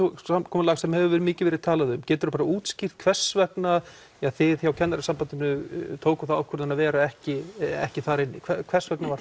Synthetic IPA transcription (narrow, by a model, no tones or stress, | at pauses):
uakʰɔːmlaɣsɛmhɛvʏvɛːɾɪmɪːcɪvɛɾɪðt̪ʰaːlaðʏmcɛːt̪ʏɾʏpaɾauːt̪scir̥t̪kʰvɛr̥svɛkna | aθɪðçawcʰɛnːaɾɪsampant̪ɪnʏt̪ʰoːwkʏ̥θaawkʰœɾt̪anːavɛːɾaɛhcɪɛ̰hcɪθaɾɪnːɪ̰kʰvkʰvɛ̥svɛknavaɾ